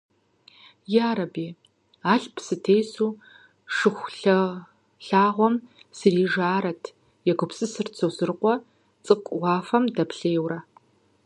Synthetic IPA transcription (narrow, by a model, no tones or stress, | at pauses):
jaːɾɐbiː | aːɬpʰsɨtʰejsuː | ʂɨxʷɬɐ | ɬaːʁʷɔmsɨriːʐaːɾɐtʰ | jɛɡʷʊpsʼɨsɨrt͡sʰowzɨrqʷɔ | t͡sʼɨqʷʼwɑːfɐmdɐpɬeːwrɐ